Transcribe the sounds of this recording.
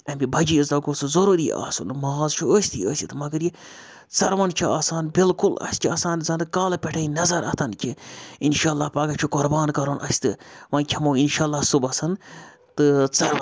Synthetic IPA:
ɐmʲibʱɐd͡ʒizd̪ɐɡoːsɨzoɾuɾḭːa̰ːsunmɐːzt͡ʃʰuəːsʲt̪ʰiːəːsʲit̪ɨmɐɡɐɾji | t͡sɐɾʋɐnt͡ʃʰiaːsaːnbɪlkʊlɐ̰sʲkʰʲiɐsaːnzɐnd̪ɨkaːlpʲɛʈʰɐinɐzɐɾʔɐ̰t̪ʰɐnkʲʰiinʃaːlːaːpɐɡɐt͡ʃʰukʊɾbaːnkɐɾoːnʔɐ̰sʲt̪ɨʋɐnkʲʰɐmoːinʃaːlːaːsubɐsɐn | t̪ɨt͡sɐɾ

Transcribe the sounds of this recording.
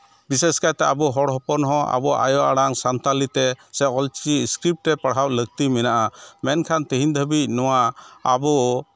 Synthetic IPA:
biseskajt̪ɛabɔɦɔɽɦɔpɔnɦɔ̃a̰bɔʔa̰jɔʔaɽaŋsant̪alit̪ɛsɛɔlt͡ʃiskɾip̚ʈɾɛpaɽɦawlək̚t̪imɛnaʔamɛnkʰant̪iɦind̪ʱəbic̚nɔwaːbɔ

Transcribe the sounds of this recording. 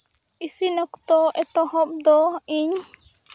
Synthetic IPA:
isinɔkt̪ɔʔɛt̪ɔhɔp̚d̪ɔiɲ

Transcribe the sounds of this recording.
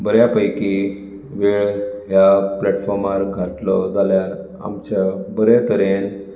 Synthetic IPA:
bəɾjapəjki | ʋiɭɦjaplɛʈfɔɾmaɾɡʱaʈlɔ̰d͡zaljaɾ | a̰mt͡ɕabəɾɛt̪əɾen

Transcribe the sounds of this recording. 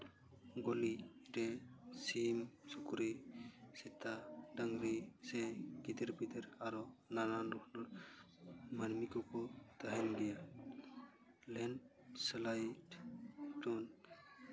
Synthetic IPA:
ɡɔliɾɛsimsukuɾisɛt̪aɖaŋɾisɛɡid̪ɛɾbid̪ɛɾaɾɔnananɾɔknɔɾ | manmikɔkɔt̪aɦɛnɡɛja | lɛn | slajʈʈɔn

